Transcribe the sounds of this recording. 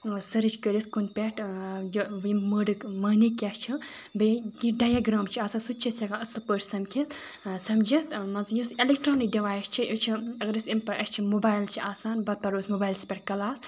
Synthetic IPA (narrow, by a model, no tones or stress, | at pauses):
sɐɾɨt͡ʃkəɾiskunpʲeʈjoʋməːɖɨkmaːnikʲaːʃʲt͡ʃʰibeɡiɖaːjaɡɾaːmt͡ʃʰiaːsaːnsut̪̚t͡ʃʰisʲɐkanɐst̪pəːɾʲsɐmkʲʰit̪ | sɐmd͡ʒit̪mɐzjuselekʈɾoːnik̚ɖiʋaːjst͡ʃʰijot͡ʃʰiɐɡɾisʲimpɐɾʔɐsʲt͡ʃʰimobaːjlt͡ʃʰiʔaːsaːnbɐt̪̚pɐɾoːsʲmobaːjlsʲpʲeʈkɐlaːs